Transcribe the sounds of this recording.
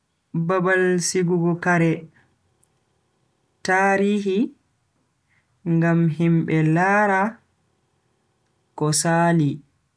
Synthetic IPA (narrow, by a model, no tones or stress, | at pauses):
babalsiɡuɡɔkaɾɛ | taːɾiːɦi | ŋɡamɦimɓɛlaːɾa | kɔsaːli